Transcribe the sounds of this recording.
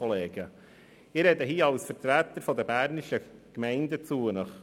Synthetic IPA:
ɔleːɡ̥ə | ɪɾɛdəɦiːɑlsfəɾt̪ɾæt̪əɾfɔd̪əbæɾnɪʃəkmæɪndət͡suːənəχ

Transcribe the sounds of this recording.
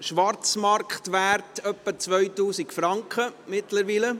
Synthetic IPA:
ʃʋɑrt͡smɑɾkχtʋærtœpːət͡sʋœʏtuːsikfɾɑŋkχəmɪtləɾʋiːlə

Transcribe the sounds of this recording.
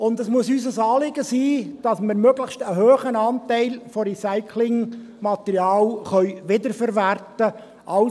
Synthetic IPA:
ʊndəsmuəsys̬əsɑːlɪɡəsiːd̥ɑsməɾmøɡləχʃtəɦøːχənɑːntæɪlfɔɾisaɪkʰlɪŋmɑt̪ɛɾjɑːlχœʏʋɪdəɾfəɾʋærtə | ʔɑl

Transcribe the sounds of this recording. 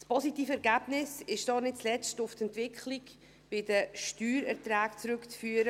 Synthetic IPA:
spɔsitiːfəɛɾɡæb̥nɪsɪʃd̥ɑːnɪt̚t͡slɛt͡stʊftɛntvɪkχlik | b̥ɪdəʃtyːɾɛɾtɾæːkt͡sɾʉkt͡sfyːəɾə

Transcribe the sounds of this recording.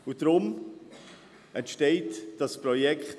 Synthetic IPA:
ʊd̥ɾʊm | ɛntʃteɪtd̥ɑsprɔjɛkχt

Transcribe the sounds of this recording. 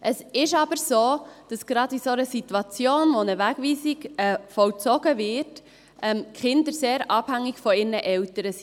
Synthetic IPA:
ʔəsɪʃɑbəɾsoːd̥ɑsɡ̥ɾɑdisonəsitwɑt͡sjoːnʋonəʋæɡ̥viːsɪɡɛfɔlt͡sɔɡ̥əvɪt | ʔɛmkχɪndəɾseːɾɑːb̥hæŋːɪɡfɔɪɾnəʔɛltəɾəsi

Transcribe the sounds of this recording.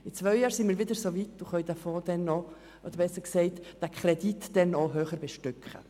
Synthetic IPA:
ɪt͡svœʏjɑːɾsɪnmiːɾʋɪdəɾsovit̚d̥uχœʏdafoːd̥ɛnːɔ | ʔod̥̪əɾʋɛsəksɛɪtd̥ækʰχʁɛditd̥ɛnːɔɦøːχəɾbɛʃtʏkχə̰

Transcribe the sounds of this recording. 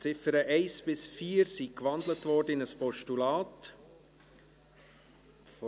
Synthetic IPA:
t͡sɪfəɾəʔɛɪsb̥ɪsfiːəɾsikʋɑndlətvʋɔɾdəɪnəspɔʃtulɑːt | f

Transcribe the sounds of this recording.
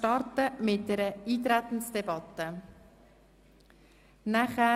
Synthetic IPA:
tɑrtəmɪt̚dɛɾəiːt̪ɾæt̪ən̩sd̥ebɑt̪ə | næχæ

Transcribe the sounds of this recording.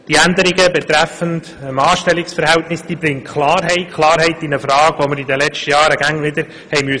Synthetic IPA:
d̥iːænd̪əɾɪɡəbɛt̪ɾæfənt | əmɑːʃtɛlɪksfəɾɦæltnɪsd̥̪iːbɾɪŋkʰlɑːɾɦɛɪtkʰlˠɑːɾhɛɪtinəfɾɑːɡʋoməɾidəlɛt͡ʃtəjɑːɾəɡæŋnɪd̪əɾ | hɛɪmyə

